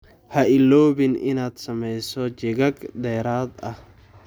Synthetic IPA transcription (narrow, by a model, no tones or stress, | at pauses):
hɐʔɪlːɔːβɪnɪ̰naːd̪sɐmɛjsɔt͡ʃɪɣɐɡd̪ɛːɾaːd̪ɐh